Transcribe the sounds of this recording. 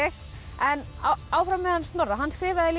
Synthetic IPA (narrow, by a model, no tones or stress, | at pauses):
ɪx | ɛn | aːwfɾawmɛðanst̪nɔraɦanːskɾɪːvaðɪl